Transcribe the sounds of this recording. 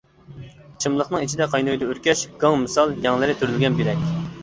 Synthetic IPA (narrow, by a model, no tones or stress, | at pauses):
t͡ʃʰɨmlˠəχnɨŋit͡ʃʰid̪ɛqʰɑjnojd̪ɛøɾkʲɛʃɡ̥ɑŋmɨsɑlˠjɛŋlˠɨɾɪt̪ʰyɾylɡʲɛnkʲiɾɛkʲ